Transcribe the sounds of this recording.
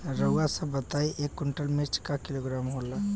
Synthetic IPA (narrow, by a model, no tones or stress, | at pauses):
ɾəɡasəbət̪aiʔekːʊɳʈəlmet͡ʃkakɪloːɡɾaːmɦola